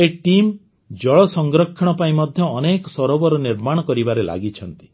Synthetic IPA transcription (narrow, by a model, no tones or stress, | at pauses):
eʈim | d͡ʒɔɭɔsɔŋɡɾɔkʰːɔɽ̃ɔpaĩmɔd̪ʱjɔːnekɔsɔɾɔbɔɾɔniɾmaɽ̃ɔkɔɾibaɾela̰ɡit͡ʃʰɔnt̪i̥